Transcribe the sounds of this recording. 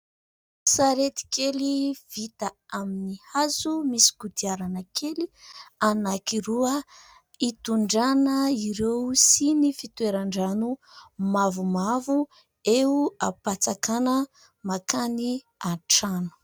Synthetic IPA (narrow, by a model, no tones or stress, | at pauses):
saɾet̪i̥keliv̥it̪aaminihazumisi̥kud̪iaɾanəkʰelianakiɾuə | it̪uɳɖ͡ʐanəiɾewsinifit̪weɾaɳɖ͡ʐanumavumavu | euapat͡sakanə | makani | aʈ͡ʂanu̥